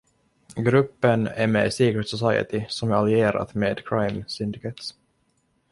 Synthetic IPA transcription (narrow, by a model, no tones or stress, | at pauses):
ɡɾɵpːənæ̰mɛ̰ːsiːkɾɪt̪sɔsajə̰t̪ɪsɔmæɾalɪeːɾa̰t̪meːd̪kʰɾajmsɪnd̪ɪkɛt̪s